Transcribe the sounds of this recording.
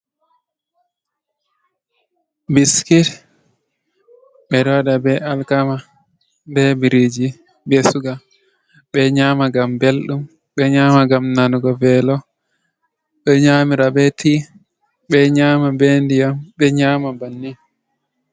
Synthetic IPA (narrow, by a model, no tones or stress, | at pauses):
biskit | ɓɛdɔdabɛalkama | bɛbiɾid͡ʒi | bɛsuɡa | ɓɛɲamaɡambelɗum | ɓɛɲamaɡamnanuɡɔvɛlɔ | ɓɛɲamiɾabɛtʰi | ɓɛɲamabendijambɛɲamabanːi